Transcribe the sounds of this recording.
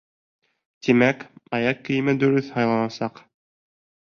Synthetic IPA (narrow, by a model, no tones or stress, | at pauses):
t̪imækɑjɑkkːɘ̆jɘ̆mɘd̪ɵ̆ɾɵθhɑjlˠɑnɑsɑq